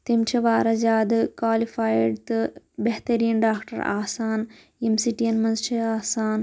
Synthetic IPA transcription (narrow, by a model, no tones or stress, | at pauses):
t̪emt͡ʃɐʋaːɾɐd͡ʒaːd̪ɨkwaːlifaːjɖt̪ɨ | beɦt̪ɐɾijɐnɖaːkʈɐ̰ɾa̰ːsaːn | emsiʈiɐnmɐnst͡ʃɐaːsaːn